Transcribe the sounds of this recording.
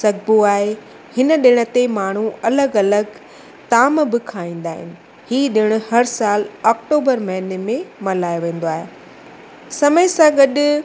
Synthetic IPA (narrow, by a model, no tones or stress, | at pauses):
sɐɡ̚buaːɦe | hɪnə̆ɗɪɽ̃ə̆t̪emaːɳ̤̃uɐləɡɐləɡ | t̪aːmbɪkʰaːĩːn̆d̪aːɦɪ̰nɪ̆ | hiːɗɪɽ̃ʊ̆hɐɾsaːlɔːk̚ʈoːbəɾmɐɦɪnemẽmɐlaːjoʋẽːn̆d̪oaːɦe | sɐməɪsãɡɐɗʊ